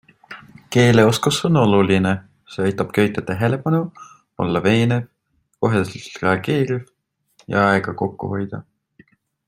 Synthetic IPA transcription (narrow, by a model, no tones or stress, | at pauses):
ke̞ːle̞o̞skusono̞luline | se̞ɑjt̪ːˑɑb̥køjt̪ˑːɑt̪eɦe̞le̞pɑnu | o̞̰lːɑve̞ːnev | ko̞ɦeseltt̪re̞ɑɡ̥e̞ːɾiv | jɑ̰ɑeɡ̥ɑko̞kːṵho̞jd̪̥ɑ̰